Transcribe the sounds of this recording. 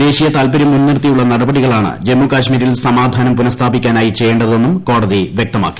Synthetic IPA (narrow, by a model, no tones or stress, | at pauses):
d̪e̞ːɕijɐt̪aːlpɐɾimːunːirt̪ijuɭːɐnɐɽɐbɐɽiɣɐɭaːɳɨ̰d͡ʑe̞mːukaːɕmiːɾilsɐmaːd̪ʱaːnɐmpunɐst̪ʰaːbikʲːaːnaːjit͡ɕe̞jːeːɳɖɐðo̞nːumko̞ːɽɐðiʋʲjek̚t̪ɐma̰ːkːi̥